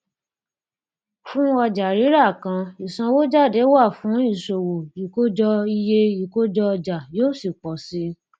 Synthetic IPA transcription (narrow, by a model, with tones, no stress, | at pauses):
fũ˦ɔ˧d͡ʒa˨ɾi˨˦ɾa˦˨kã˧i˨sã˧wo˦d͡ʒa˦˨de˨˦wa˦˨fũ˨˦i˦˨so˨wo˨i˨ko˦d͡ʒɔ˧i˧je˧i˨ko˦d͡ʒɔ˧d͡ʒa˨joː˦˨si˨k͡pɔ˨si˨˦